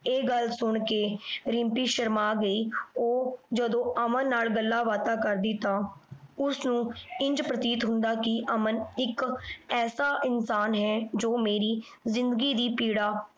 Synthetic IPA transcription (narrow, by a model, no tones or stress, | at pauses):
eːɡəlsʊɳkeːɾɪ̃mpiːʃəɾmaːɡəiːoːd͡ʒəd̪õːəmənːaːlɡəlːaːʋaːt̪aːkəɾd̪iːt̪ãːʊsnũːɪ̃ɲd͡ʒpɾət̪iːt̪ɦʊ̃nd̪aːkɪʔəmənɪkɛːsaːʔɪnsaːnɦɛːd͡ʒoːmeːɾiː | zɪ̃nd̪əɡiːd̪iːpiːɽaː